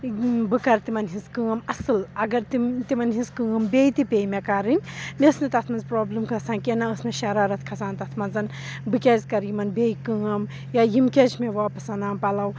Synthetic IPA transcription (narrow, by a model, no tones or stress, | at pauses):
bɨkɐɾt̪imɐnɦĩskɨŋɐmɐsɨlɐɡɐɾt̪it̪imɐnɦĩskɨŋɐmbeːjt̪ipʲeːjmekaɾɨnʲmesnɨt̪ɐt̪ʰmɐnzpɾoːblɨmkʰɐsãːnkenɐəsmeʃɐɾaːɾɐt̪̚ʰkʰɐsaːnt̪ɐt̪ʰmɐnzɐn | bɨkʲeːzkɐɾjimɐnbeːjkɨŋɐm | jajimkʲet͡ʃʰmeʋaːpɐsɐnaːmpɐlɐw